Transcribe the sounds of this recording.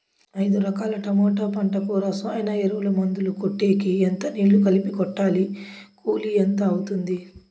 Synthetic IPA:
ɐjd̪uɾɐkaːlɐʈɐmɔːʈaːpɐɳʈɐkuːɾaːsajnɐeɾuʋulɐmɐnd̪ulukoʈːeːkient̪ɐniːɭːukɐlipikɔʈːaːlikʰuːlient̪ɐːwut̪und̪i

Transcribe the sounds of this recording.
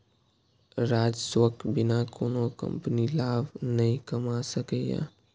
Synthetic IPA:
ɾaːd͡ʒswəkbɪnakʰoːnokɐ̰̃mpnilaːbnɐɦĩkɐmasəkejã̰ː

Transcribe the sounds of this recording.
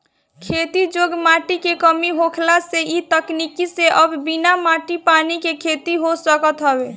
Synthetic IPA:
kʰet̪id͡ʒoɡmaʈikekəmiɦokʰlaseit̪əknikiseʔəbbinamaʈipanikekʰet̪iɦosəkət̪ɦəbe

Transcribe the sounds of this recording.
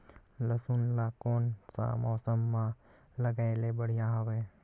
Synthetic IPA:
ləsunlaːkoːnsa̰mɔːsəmːã | ləɡaːelebəɽ̤ijaɦəʋeː

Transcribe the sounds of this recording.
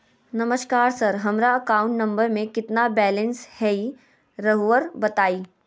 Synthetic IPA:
nɐməʃkaːɾsɐɾɦɐmɾaɐkaːʊ̃ɳʈnɐ̃mbəɾmẽkɪt̪nabɛːlə̃nshɛi | ɾɐɦʋəɾbɐt̪aːiː

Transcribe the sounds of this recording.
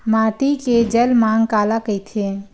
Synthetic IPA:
maʈ̪iked͡ʒəlmaŋkaːlakəjt̪ʰe

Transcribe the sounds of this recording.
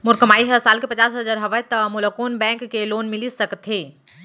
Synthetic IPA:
mʊɾkəmaiɦəsalkepət͡ʃasɦəd͡ʒaɾɦəʋət̪əmuləkonbɛ̃ŋkːelonmilisəkət̪ʰɦe

